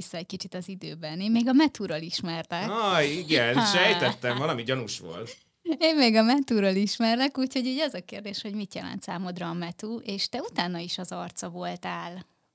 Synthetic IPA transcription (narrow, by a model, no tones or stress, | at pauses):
isːɒɛc̚kit͡ʃit̪ɒzid̪øːbɛnemːeːɡɒmɛt̪uːɾoliʃmɛrlɛkɑjiɡɛnʃɛj̪ɛt̪ːɛɱvɒlɒmiɟɒnuʃʋo̰lt̪ | eːmmːeːɡɒmɛt̪uːɾoliʃmɛrlɛkuːcho̞ɟyːɟɛzɒkeːrd̪eːʃho̞ɟmit̪jɛ̰lɛ̰nt̪saːmod̪ɾɒːmɛt̪uʔeːʃt̪ɛut̪aːnːɒiʃɒzɒrt̪sɒvo̞lt̪aːl